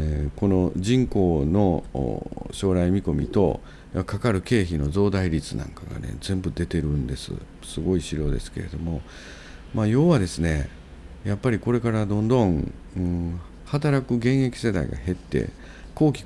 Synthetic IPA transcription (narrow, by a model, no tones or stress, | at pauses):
ko̞no̞d͡ʑĩŋko̞ːno̞̰ | ɕo̞ːɾaimʲiko̞mʲḭt̪o̞̰ | jakakaɾɯ̟ke̞ːçino̞zo̞ːd̪aiɾʲit͡sɨnã̰ŋkaɡa̰nḛd͡zẽ̞mbɯ̟d̪e̞t̪e̞ɾɯ̟̃nd̪e̞sɨ̰ | sɨɡo̞iɕiɾo̞ːd̪e̞̰sɨ̥ke̞ɾe̞d̪o̞mo̞ | maːjo̞ːβad̪e̞sɨne̞ | japːaɾʲiko̞ɾe̞kaɾad̪õ̞nd̪õ̞ŋ | ɯ̃ː | hat̪aɾakɯ̟ɡẽ̞ɰ̃e̞kʲi̥se̞d̪a̰ḭɡa̰he̞t̪ːe̞̰ | ko̞ːkʲi̥